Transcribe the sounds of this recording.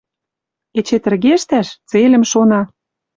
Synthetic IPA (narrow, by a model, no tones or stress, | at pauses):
et͡ɕet̪ə̆rɣeʃt̪æʃt͡selʲə̆mʃonɑ